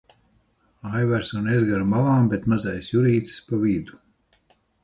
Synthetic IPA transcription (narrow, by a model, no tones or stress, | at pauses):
ajvæɾsunezɡaɾmalˠaːmbet̪mazajsjuɾiːt̪spaviːd̪u̥